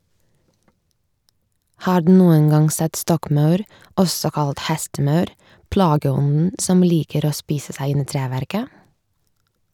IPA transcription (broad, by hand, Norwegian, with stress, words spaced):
ˈhɑːɾ ˈdʉː ˈnuːən ˈɡɑŋ ˈsɛt ˈstɔkˌmɑʉɾ ˈɔsɔ ˈkɑlt ˈhɛstəˌmɑʉɾ ˈplɑːɡəˌɔnn̩ ˈsɔm ˈliːkəɾ ˈoː ˈspiːsə ˈsæɪ ˈɪn ˈiː ˈtɾæːʋæɾkə